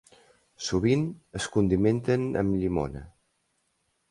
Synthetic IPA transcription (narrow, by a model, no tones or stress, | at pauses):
suβ̞inəskund̪iment̪ənə̰mʎimo̰nə̰